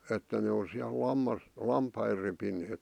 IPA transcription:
etːæ ne on siæl lɑmːɑs lɑmpɑi repineːk

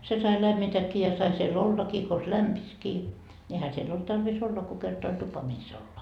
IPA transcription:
se sɑi læmːitækːi jɑ sɑi siel olːɑkiː kons læmpiskiː nʲi ehæ sielː olt tɑrʋis olːɑ ko kertɑ olʲ tupɑ mis olːɑ

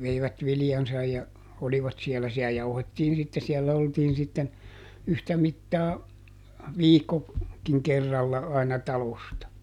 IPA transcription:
ʋeiʋæt ʋilĭjɑnsɑj jɑ oliʋɑt sielːæ siæ jɑuhetːiːn sitːe siɛlːæ oltiːn sitːen yhtæ mitːɑː ʋiːkːo kiŋ kerːɑlːɑ ɑinɑ tɑlostɑ

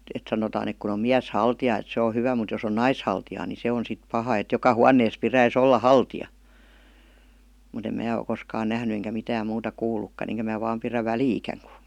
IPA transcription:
et sɑnotɑːn ek kun om miæshɑltijɑˑ et se o hyʋæ mut jos on nɑishɑltijɑː ni se on sit pɑhɑ et jokɑ huɑnːeːs piræis olːɑ hɑltijɑ mut em mæː o koskɑːn næhny eŋkæ mitæːm muːtɑ kuːlˑukːɑn eŋkæ mæː ʋɑːm piræ ʋæliːkæŋ ku̥

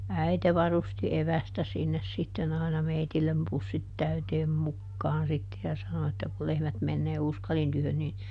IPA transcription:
æite ʋɑrusti eʋæstæ sinːes sitːen ɑˑinɑ meitilːem pusːit tæyteːm mukːɑːn sitːe jɑ sɑno etːæ ku lehmæt menːeː uskɑlin tyhøn nin

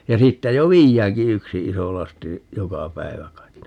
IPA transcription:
jɑ siːtːæ jo ʋiːjːæːŋki yksi iso lɑsti jokɑ pæiʋæ kɑit

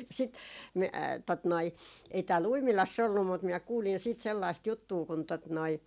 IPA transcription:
sit mi tot noi ei tæːl uimilɑsː olːum mut minæ kuːlin siːt selːɑist jutːuː kun tot noi

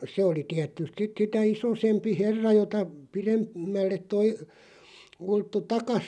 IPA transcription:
se oli tiætˑyst sit sitæ isosempi herːɑ jotɑ pirem mælːet̆ toi ultːu tɑkɑs

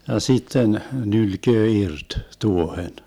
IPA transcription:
jɑ sitːen nylkøː irt tuohen

